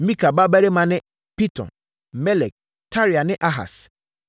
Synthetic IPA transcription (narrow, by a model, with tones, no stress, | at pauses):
mĩ˦kʰa˨ba˦bæ˦ɾe˦mã˨nɪ̃˦ | pi˦tʰɔ̰̃˨n | mɛ˦lɛ˨k̚ | tʰa˦ɾi˨a˨nɪ̃˦ʔa˦ɦa̰˨s